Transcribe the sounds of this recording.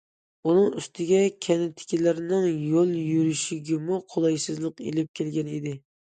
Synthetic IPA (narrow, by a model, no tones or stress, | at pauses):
unɨŋyst̪ʰɪɡʲɛkʲʰɛnɪt̪ʰɪ̥kʲilɪɾnɪŋjolˠjyɾyʃiɡʲɪmuqʰolˠɑjsɨzlˠəqḛlɪp̚kʲʰelɡʲɛnid̪ɪ